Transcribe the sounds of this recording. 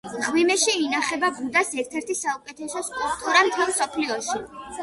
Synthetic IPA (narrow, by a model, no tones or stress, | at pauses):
ʁwimɛʃiːnaχɛbabud̪asɛɾt̪ʰɛɾt̪ʰisaukʼɛt̪ʰɛsɔskʼulpt̪ʼuɾamt̪ʰɛlˠmsɔpʰliɔʃi